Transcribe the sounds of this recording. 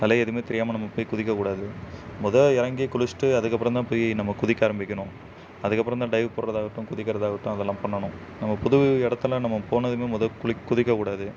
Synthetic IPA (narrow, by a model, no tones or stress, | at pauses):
nɐlɐɛɐðɯmeːt̪ɛɾɪjaːmɐnɐmːɐpoːjikʊðɪkːɐkuːɽaːðɯmʊðɐɪɾɐŋɡikʊlɪsʈːɯɐðɯkːɐpːɪɾɐ̃nt̪ãːpoːjnɐmːɐkʊðɪkʲːaːɾɐmbɪkʲːɐɳʊ̃ | ɐðɯkːɐpːɪɾɐ̃nt̪ãːɖɐɪʋpɔːɾɾɐðaːɣɐʈːʊ̃kʊðɪkːɐɾɐðaːɣɐʈːʊ̃ɐðɛlːãːpɐɳːɐɳʊ̃ | nɐmːɐpʊðʊʋɛɽɐt̪ːɐlãːnɐmːɐpoːnɐðɯmeːmʊðɐkʊɭɪkːʊðɪkːɐkuːɽaːðɯ